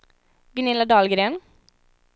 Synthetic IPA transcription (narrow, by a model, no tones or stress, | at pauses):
ɡənɪlɑd̪ɑːlɡɾeːn